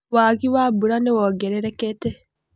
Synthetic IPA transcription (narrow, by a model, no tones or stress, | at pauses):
waɣiwabuɾanewoɡeɾeɾekete